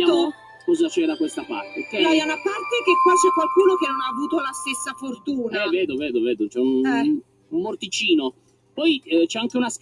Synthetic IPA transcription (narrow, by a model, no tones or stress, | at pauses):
aːmo | kɔzat͡ʃɛːɾakwest̪apa̰rt̪ekɛnɔɛunapart̪ekekːwat͡ʃɛkːwalkuːnokenːonaːvuːt̪olast̪esːafort̪uːnaaɛvɛːd̪ovɛːd̪ovɛːd̪ot͡ʃɛun | ummort̪it͡ʃiːno | pɔjt͡ʃɛaŋkeunask